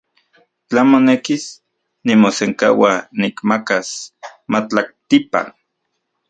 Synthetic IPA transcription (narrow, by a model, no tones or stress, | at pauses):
t͡ɬamonekis | nimoseŋka̰wanikmakasmat͡ɬak̚t̪ipa̰n